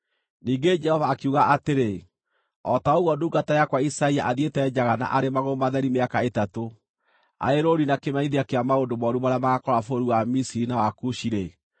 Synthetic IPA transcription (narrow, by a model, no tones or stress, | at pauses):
niːɡed͡ʒɛhɔvaːkeuɣaʔateɾe | ɔtaoɣwɔduːɡatajakwaisaiaʔaðietɛːd͡ʑaɣana̰ʔaɾemaɣomaðɛɾimeakaetato | a̰eɾoɾinakemaɲiðeakeamaondomɔɾumaɾeamaɣakɔɾafoɾuwamisiɾinawakuʃiɾe